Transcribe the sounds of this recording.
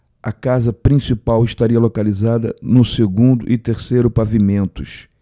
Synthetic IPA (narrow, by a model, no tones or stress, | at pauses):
ɐkazɐpɾĩsipawɪʃt̪aɾiɐlokalizad̪ɐ̰nʊseɡũnd̪ʊ̰ʔɪt̪eɾsejɾʊpavimẽnt̪ʊs